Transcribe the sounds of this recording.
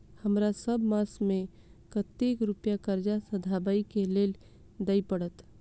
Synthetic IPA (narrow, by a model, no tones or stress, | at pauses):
həmɾasəbmãsmẽ | kət̪ekɾupjakəɾd͡ʒasəd̪ʱabəikelel | d̪əipəɽət̪